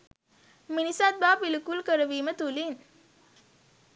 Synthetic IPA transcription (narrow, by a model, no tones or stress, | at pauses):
minisat̪̚baːpilukulkəɾəʋiːmət̪ulin